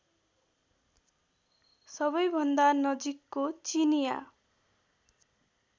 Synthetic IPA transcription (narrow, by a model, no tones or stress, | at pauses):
sʌbʌjbʱʌnd̪anʌd͡zikːot͡sinija̰